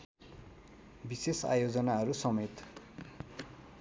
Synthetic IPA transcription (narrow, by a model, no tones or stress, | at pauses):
bisesa̰jod͡zʌnaɦʌɾusʌmet̪